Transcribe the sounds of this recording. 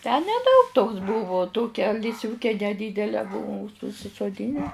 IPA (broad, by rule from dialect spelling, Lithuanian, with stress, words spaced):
tʲæː nʲɛˈdɐʊk toːks ˈbʊʋʊ ˈtoːkʲɛ lʲɪsʲˈʋʲuːkʲɛ nʲɛˈdʲiːdʲɛlʲɛ ˈbʊʋʊm ʊʃ ʊʃʲsʲɪsoːˈdʲiːnʲɛ